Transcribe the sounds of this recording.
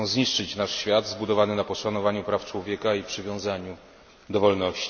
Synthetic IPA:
zɲiʂt͡ʂɘt͡ɕnaʂɕfʲjad̪zbud̪ɔvanɘnapɔʂanɔvaɲupɾaft͡ʂwɔvʲjɛkaipʂɘvʲjɔ̃w̃zaɲu | d̪ɔvɔlnɔɕt͡ɕ

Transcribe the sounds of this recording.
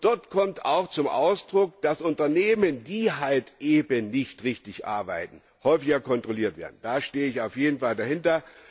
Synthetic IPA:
d̥ɔɐtkʰɔmta̰ʊxt͡sʊmʔa̰ʊsd̥ʁʊk̚d̥asʔʊntɐneːməndiːɦaltʔeːbənːɪçtʁɪçtɪçʔa̰ɐbaɪtn̩ | hɔʏfɪçɐkʰɔntʁ̥oliːɐtv̥ḛɐdn̩d̥aːʃteːəɪçaʊfjeːdn̩faldahɪntɐ

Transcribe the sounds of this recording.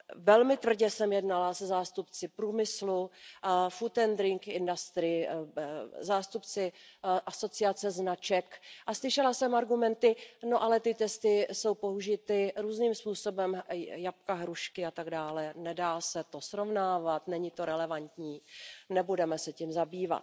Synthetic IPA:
vɛlmɪt̪vr̩ɟɛsɛmjɛdnalasɛzaːst̪upt͡sɪpɾuːmɪslu | fut̪ɛnd̪ɾɪŋkɪndast̪ɾɪ | zaːst̪upt͡sɪʔaso̞t͡sɪat͡sɛznat͡ʃɛkʔaslɪʃɛlasɛmaɾɡumɛnt̪ɪnoʔalɛt̪ɪt̪ɛst̪ɪso̞wpo̞ɦuʒɪt̪ɪɾuːzniːmspuːso̞bɛmjap̚kaɦɾuʃkɪat̪aɡdaːlɛnɛdaːsɛt̪o̞sɾo̞vnaːvat̪nɛɲɪt̪o̞ɾɛlɛvant̪ɲiːnɛbudɛmɛsɛcimzabiːva̰t̪

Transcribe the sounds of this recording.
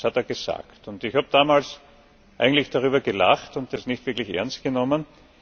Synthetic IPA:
shateːɐɡəza̰ːktʊntɪçhaːbəd̥aːmaːls | ʔa̰ɪɡŋ̩tlɪçd̥aʁ̞yːbɐɡəlaχtʊnt̚d̥asnɪçtv̥ɪɐklɪçʔɛ̰ɐnst̚ɡ̥ənɔmən

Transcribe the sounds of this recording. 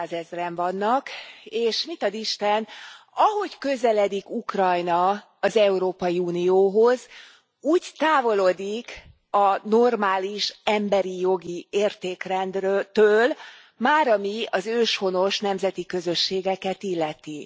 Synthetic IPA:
aːzɛzrɛɱvɒnːɒkeːʃmit̪ɒd̪iʃt̪ɛnɒɦo̞ɟkø̞zɛlɛd̪ikukrɒjnɒ | ɒzɛuɾoːpɒjiuːnijoːɦo̞z | uːɟt̪aːvo̞lod̪ik | ɒno̞rmaːliʃɛmbɛɾijo̞ɡieːrt̪eːkrɛnd̪røt̪øːl | maːɾɒmiɒzøːʃho̞no̞ʃnɛmzɛt̪ikø̞zø̞ʃːeːɡɛkɛt̪ilːɛt̪i

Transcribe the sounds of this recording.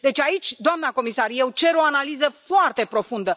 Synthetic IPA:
d̪e̞t͡ʃʲait͡ʃʲd̪oamnako̞misarje̞wt͡ʃe̞ɾo̞analizəfoart̪e̞pɾo̞fund̪ə

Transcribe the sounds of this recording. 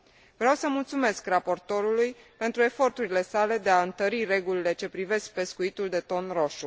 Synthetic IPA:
vɾeawsəmult̪sume̞skrapo̞rt̪o̞ɾuluj | pe̞nt̪ɾue̞fo̞rt̪uɾile̞sale̞d̪eaɨnt̪əɾire̞ɡulile̞t͡ʃe̞pɾive̞sk̚pe̞skuit̪uld̪e̞t̪o̞nro̞ʃu

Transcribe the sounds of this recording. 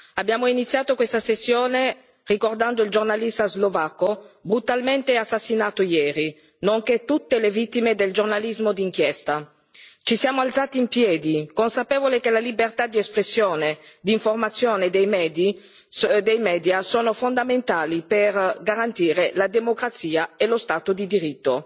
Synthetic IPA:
abːjaːmoinit̪sːjaːt̪okwest̪asesːjoːne | rikord̪and̪oild͡ʒornalist̪azlovakːobɾut̪alment̪easːasːinaːt̪ojɛːɾi | noŋket̪ːut̪ːelevit̪ːimed̪eld͡ʒornalizmod̪iŋk̟jɛst̪a | t͡ʃisjaːmoalt̪saːt̪iːmpjɛːd̪ikonsapɛːvolekelalibert̪ad̪iɛspɾesːjoːned̪iɱformat̪sːjoːned̪ɛjmɛːd̪i | d̪ɛjmɛːd̪jasoːnofond̪ament̪aːliperɡaɾant̪iːɾelad̪emokɾat̪siːaelost̪aːt̪od̪id̪iɾit̪ːo

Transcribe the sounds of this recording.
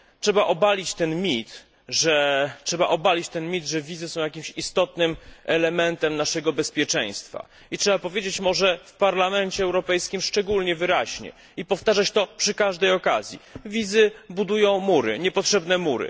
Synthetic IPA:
tʂɛbaʔɔbalʲit͡ɕt̪ɛnmʲit̪ | ʐɛtʂɛbaʔɔbalʲit͡ɕt̪ɛnmʲit̪ʐɛvʲizɨsɔ̃w̃jakʲimɕist̪ɔt̪nɘmʔɛlɛmɛnt̪ɛmnaʂɛɡɔbɛspʲjɛt͡ʂɛ̰̃j̃st̪fa̰ | itʂɛbapɔvʲjed͡ʑet͡ɕmɔʐɛfpaɾlamɛnt͡ɕɛːwɾɔpɛjskʲimʂt͡ʂɛɡulɲɛvɘɾaʑɲɛ̰ | ipɔft̪aʐat͡ɕt̪ɔpʂɘkaʐd̪ɛjɔkazʲjḭvʲizɘbud̪ujɔ̃w̃muɾɘ̰ɲɛpɔtʂɛbnɛmuɾɘ̰

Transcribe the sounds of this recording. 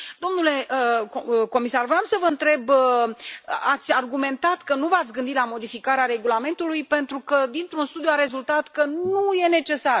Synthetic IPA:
d̪̥o̞mnule̞ʔəko̞misarvɾeamsəvəɨnt̪ɾe̞bə | at̪sʲarɡume̞nt̪at̪kənuvat̪sʲɡɨnd̪it̪lamo̞d̪ifikaɾeaɾe̞ɡulame̞nt̪ulujpe̞nt̪ɾukəd̪int̪ɾunst̪ud̪juaɾe̞zult̪at̪kənuje̞ne̞t͡ʃe̞sar

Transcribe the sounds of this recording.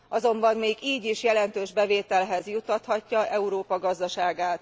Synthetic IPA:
ʔɒzo̞mbɒmːeːɡiːɟiʃjɛlɛnt̪øːʒbɛveːt̪ɛlɦɛzjut̪ːɒt̪hɒcːɒʔɛuɾoːpɒɡɒzd̪ɒʃaːɡaːt̪

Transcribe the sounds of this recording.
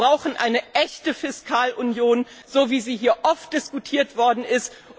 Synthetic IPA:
ʁaʊxn̩ʔa̰ɪnəʔɛçtəfɪskʰaːlʔunjoːn | z̥oːviːziːɦiːɐʔɔft̚d̥ɪskutʰiːɐtv̥ɔɐdn̩ɪst

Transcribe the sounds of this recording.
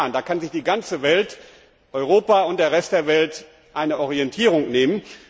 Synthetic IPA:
əndaːkʰanzɪçd̥iːɡant͡səvɛlt | ʔɔʏʁoːpaʊntd̥eːɐʁ̞ɛst̚d̥eːɐvɛlt | ʔaɪnəʔɔʁiɛntʰiːʁʊŋneːmən

